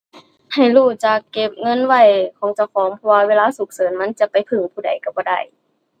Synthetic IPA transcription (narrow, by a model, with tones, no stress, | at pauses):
ha˧˨˩jluː˧˩t͡ɕa˧˩kːe˧˩p̚ŋɤ˧˥˨nwa˧˩jkʰɔː˨˦ŋt͡ɕa˧˩wkʰɔː˨˦ŋpʰɔ˧waː˧weː˧laː˧˥˨su˨˦k̚sɤː˨˦nma˧˥˨nt͡ɕa˧˦pa˨jpʰɯ˧˩ŋpʰuː˧˩da̰˨˩jka˧˩bɔː˧˦da˧˩j